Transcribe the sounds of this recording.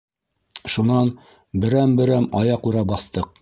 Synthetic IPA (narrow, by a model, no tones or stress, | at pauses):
ʃunɑn | bɘ̆ɾæmbɘ̆ɾæmɑjɑquɾɑbɑθt̪ɤq̚